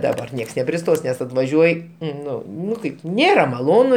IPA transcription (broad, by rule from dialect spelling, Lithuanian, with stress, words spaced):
dɐˈbɐr ˈnʲiɛks nʲɛpʲrʲɪˈstoːs nʲɛs ɐtʋɐˈʒʲuɔj ˈnʊ ˈnʊ ˈkɐɪp ˈnʲeːrɐ mɐˈlˠoːnʊ